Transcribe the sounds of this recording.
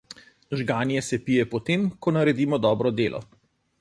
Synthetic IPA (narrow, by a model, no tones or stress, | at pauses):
ʒɡaːnjɛsɛpijɛpɔt̪emkɔnaɾɛd̪iːmɔd̪ɔːbɾɔd̪eːlʔɔ̰